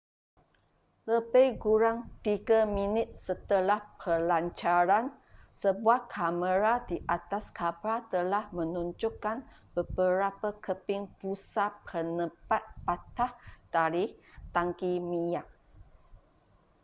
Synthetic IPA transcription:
ləbəjɡuɾaŋt̪iɡaminɪt̪̚sət̪əlahpʰəlaɲt͡ʃaɾansəbuahkʰaməɾadiʔat̪askabɾat̪əlahmə̃nuɲd͡ʒukːanbəbəɾapakəpɪŋpusapʰənəpat̪̚pat̪ahd̥aɾit̪aŋkimijaʔ̚

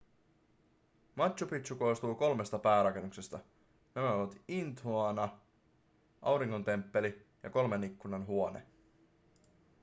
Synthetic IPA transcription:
mɑt̪ɕupit̪ɕuko̞st̪uːko̞lme̞st̪ɑpæːɾɑke̞nːukse̞st̪ɑ | næmæoʋɑt̪int̪uɑnɑ | ʔɑ̰wɾiŋːo̞nt̪e̞mpːe̞li | jɑ̰ko̞lme̞nikːunɑnɦuonḛ

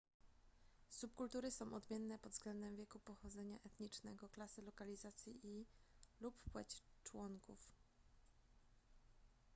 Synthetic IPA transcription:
sup̚kult̪uɾɘsɔ̃w̃ʔɔd̪mʲjɛnːɛpɔd̪zɡlɛnd̪ɛmvʲjɛkupɔxɔd̪zɛɲa̰ʔɛt̪ɲit͡ʂnɛɡɔklasɘlɔkalʲizat̪sʲjiʔiluppwɛt͡ɕt͡ʂwɔŋkuf

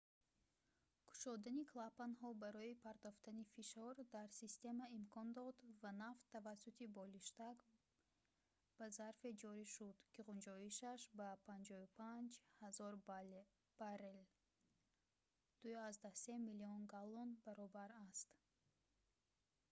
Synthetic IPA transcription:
kʰu̥ʃɔd̪anikʰlapanɦɔbaɾɔipʰaɾd̪ɔft̪anifiʃɔɾd̪aɾsist̪e̞maimkʰɔnd̪ɔd̪vanaft̪ʰːavasːut̪ʰibɔliʃt̪ak | b̥azaɾfed͡ʒɔɾiʃud̪kʰiʁund͡ʒɔiʃaʃbapʰand͡ʒɔupʰand͡ʒhazɔɾ | b̥aɾel | d̪̥ujiazd̪ahse̞miliɔnɡalɔnbaɾɔbaɾast̪

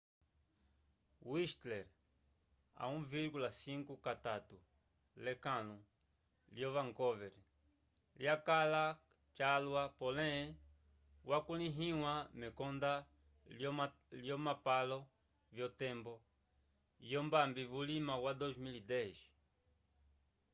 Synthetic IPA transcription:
wiʃt̪lɛɾ | a̰ũviɾɡulasiŋkukat̪at̪u | lekãlũ | ljovaŋkɔveɾ | ljakala | t͡ʃalwapolẽ | wʔakulĩɦĩwamɛkɔnd̪a | ljomapalo | βjot̪ɛmbo | jombambiβulimawad̪ozmilid̪ɛʒi̥

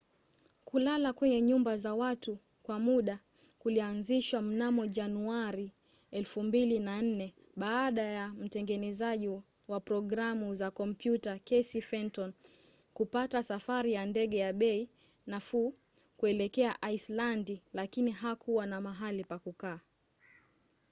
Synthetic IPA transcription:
kulalakwɛɲɛɲumbazawatu | kwamuɗa | kulianziʃwam̩namɔʄanuaɾi | ɛlfumbilinan̩nɛ | ɓaːɗajam̩tɛŋɡɛnɛzaʄi | wapɾɔɠɾamuzakɔmpjutakɛsifɛntɔn | kupatasafaɾijandɛɠɛjaɓɛi | nafu | kuɛlɛkɛaʔaislandilakiniɦakʰuwanamaɦalipakukaː

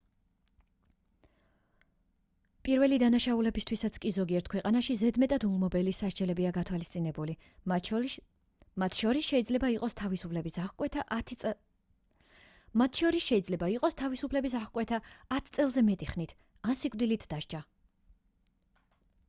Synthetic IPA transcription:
pʼiɾvɛlid̪anaʃaulɛbist̪ʰwisat̪sʰkʼizɔɡiɛɾt̪̚ʰkwɛqʼanaʃizɛd̪mɛt̪ʼad̪ulˠmɔbɛlisaʃd͡ʒɛlɛbiaɡat̪ʰwalist̪sʼinɛbuli | mat̪ʰʃɔɾisʃɛid̪zlɛbaiqʼɔst̪ʰavisupʰlɛbisakʼwɛt̪ʰa | mat̪ʃɔɾisʃɛlɛbaiqʼɔst̪ʰavisupʰlɛbis̬aχkʼwɛt̪ʰaːt̪ʰt̪sʼɛlˠzɛmɛt̪ʼiχnit̪ʰ | ansikʼvd̪ilit̪ʰd̪aʃt͡ʃʰʼa

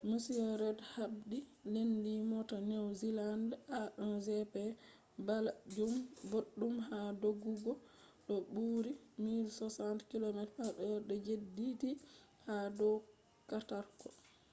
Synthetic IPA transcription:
musiɔɾɛdhabdilendimɔtanɛwzilandaɗɔnzɛpɛ | balad͡ʒumboɗːumɦadoɡːuɡɔ | ɗɔɓuːɾimilsɔsantkilɔmɛtaɗɔɗɔd͡ʒedːiti | hadɔw | kataɾkɔ

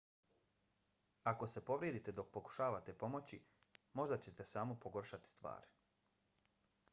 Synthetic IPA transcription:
ako̞se̞po̞ʋɾjed̪it̪e̞d̪o̞k̚po̞ku̥ʃaːʋat̪e̞po̞mo̞t͡ɕimo̞ʒd̪at͡ɕe̞t̪e̞saːmopoɡo̞rʃat̪i̥st̪ʋa̰ːɾi̥

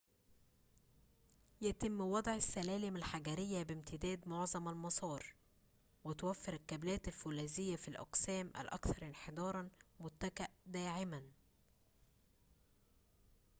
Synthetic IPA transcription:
jæt̪ɪmːwɑd̪ˤʕasːælæːlɪmælħaɡæɾɪjːæbɪmt̪ʰɪd̪æːd̪moʕzˤɑmælmɑsˤɑːɾˤ | wɪt̪wæfːɪɾælkæblæːt̪ælfulæːzɪjːæfilʔɑ̰qsæːmʔæ̰lʔɑ̰kθɑɾˤʔɪnħed̪ˤɑːɾˤɑnmʊt̪ːækaʔd̪æːʕɪmæn

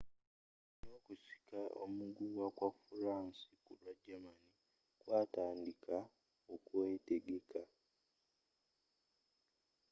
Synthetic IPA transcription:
noːkusi̥kao̰muɡuːwakwafuɾaːnsikulwaɟamani | kwaːtaːndikʰa | okuwe̞ːte̞ɡe̞ka

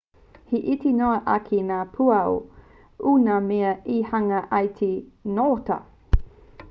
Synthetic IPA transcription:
hiʔitinoɐʔɐkʰinaːpʰuɐo | unameɐihɐŋɐʔɐjtʰinotɐ̰

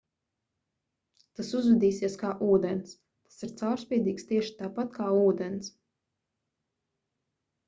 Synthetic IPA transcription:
t̪asuzvɛd̪iːsiɛskaːʔuːd̪ɛns | t̪ḁsiɾt̪sawɾsʲpʲiɛd̪iːkst̪iɛʃi̥t̪aːpat̪kaːuːd̪ɛns

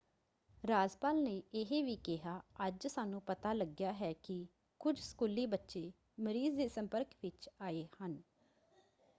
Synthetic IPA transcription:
ɾaːzpaːlneːɪɦeːʋiːkɪɦaːəd͡ʒsaːnũːpət̪aːləɡjaːɦɛːkɪ | kʊd͡ʒsə̥kuːliːbətːʃeː | məɾiːzd̪eːsəmpəɾkʋɪt͡ʃaːeːhən

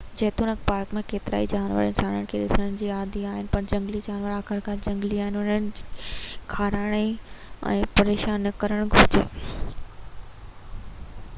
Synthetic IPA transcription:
d͡ʑɐːt̪unəkpaːɾkmẽkeːt̪ɪɾa̰ːid͡ʑaːnʋə̰ɾɪ̰̃nsaːnəɽ̃kʰeɗɪsəɽ̃d͡ʑiːaːd̪ʱiaːɦɪnɪ̆pɐɾd͡ʑɐ̃ŋɡlid͡ʑaːnʋəɾaːkɪɾkaːɾd͡ʑɐ̃ŋɡliaːɦɪnɪʊn̤əñɪd͡ʑiːkʰaːɾaːɽ̃eɛ̰̃ːpɐɾeːʃaːnkɐɾəɽ̃ɡʱʊɾd͡ʑḛː

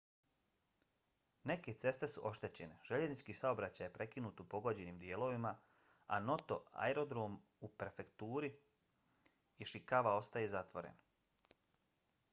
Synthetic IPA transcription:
ne̞ke̞t̪se̞st̪e̞suʔo̞ʃt̪e̞t͡ɕe̞ne̞ʒ̥e̞ʎe̞znit͡ʃkiːsao̞bɾat͡ɕajepɾe̞kinuːt̪upo̞ɡo̞d͡ʑe̞niːmd̪je̞ːlo̞ʋima | a̰no̞t̪o̞a̰eɾo̞d̪ɾoːm | upɾe̞fe̞kt̪uːɾi | ʃikaʋao̞st̪ajezat̪ʋo̞ɾḛn

